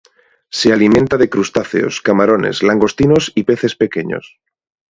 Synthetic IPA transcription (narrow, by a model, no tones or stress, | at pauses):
sealimẽnt̪að̞e̞kɾust̪aθḛo̰skamaɾo̞ne̞̰zlaŋɡo̞st̪ino̞sipe̞θe̞spe̞ke̞ɲo̰s